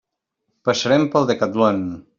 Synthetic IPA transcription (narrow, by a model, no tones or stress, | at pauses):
pasəɾɛmpəlˠd̪əkat̪lon